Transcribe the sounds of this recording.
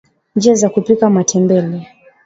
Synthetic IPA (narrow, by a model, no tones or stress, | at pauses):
nd͡ʒiazakupikamatʰɛmbɛlɛ